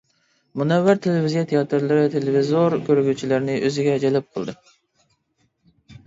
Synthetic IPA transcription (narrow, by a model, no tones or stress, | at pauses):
munɛwːæɾt̪ʰelɪvizijɛt̪ʰejɑt̪ʰɨɾlˠɨɾɨt̪ʰelevizoɾkʲøɾɡʲyt͡ʃʰilæɾnɪʔøzɪɡʲɛd͡ʒɛlɛp̚qʰəlˠd̪ɨ